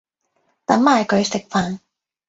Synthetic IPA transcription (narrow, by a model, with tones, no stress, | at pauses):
t̪ɐ˨˥mːaː˨˧˩jkɵ˨˧ɥsɪ˨k̚faː˨˧n